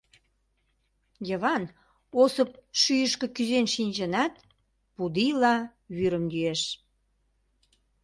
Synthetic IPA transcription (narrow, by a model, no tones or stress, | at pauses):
jəβɑn | osəp̚ʃyjəʃkĕkyzenʃinʲd͡ʑə̆nɑt̪̚ | pud̪ilɑ | βyɾə̆mjyeʃ